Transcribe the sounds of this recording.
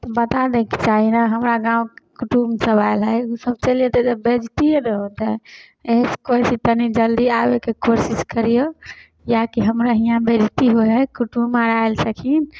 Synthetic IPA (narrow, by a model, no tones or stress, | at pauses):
t̪ɔbət̪ad̪eki̥t͡ʃaɦinaɦəmɾaɡãũkekuʈumsəbaelɦəjusəb̚t͡ʃəlijet̪ɛd͡ʒəbed͡ʒt̪ijeɾəɦot̪ɛ | eɦskoisit̪ənid͡ʒəld̪iabekekoɾsiskəɾijo | jakiɦəmɾaɦijãbed͡ʒt̪iɦoɦəkuʈumːaɾaelsəkʰin